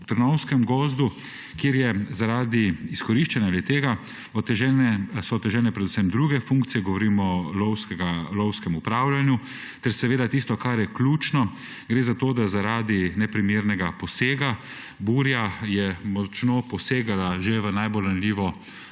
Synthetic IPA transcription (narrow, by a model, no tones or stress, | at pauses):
t̪əɾnɔwskɛmɡɔːzd̪u | kjeːɾjɛzaɾaːd̪iiskɔɾiʃt͡ʃɛnalɛt̪eːɡa | ɔt̪ɛʒɛnɛsɔt̪ːɛʒɛlnɛpɾɛd̪usɛmd̪ɾuɡɛfuŋkt̪sijɛɡɔʋɔɾiːmɔlɔwskɛɡalɔwskɛmupɾaːwlʲjanju | t̪ɛɾsɛʋeːd̪at̪ist̪ɔkaɾjɛklʲuːt͡ʃnɔ | ɡɾeːzat̪oːd̪azaɾaːd̪inɛpɾimeːɾnɛɡapɔseːɡa | buɾjajɛmɔt͡ʃnoːpɔseːɡalaʒeʋənajbolɾanlʲiːʋɔ